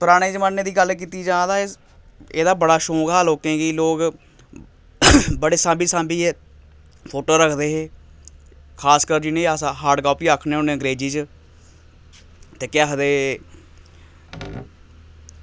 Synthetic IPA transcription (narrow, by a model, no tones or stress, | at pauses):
pəɾaːɽ̃eːd͡ʒəmaːnːeːd̪iːɡəlk̬iːt̪iːd͡ʒãːd̪aːe | eːd̪aːbəɽaːʃoːɡaːloːkẽːɡiːloːk | bəɽeːsãːmbiːsãːmbiːeː | pʰoːʈoːɾəkʰd̪eːɦeː | kʰaːskəɾd͡ʒinẽːasaɦaːɖkɔːpiːaːkʰːneːʊneːə̃ŋɡɾeːd͡ʒiːt͡ʃ | t̪eːkɪaːɦd̪eː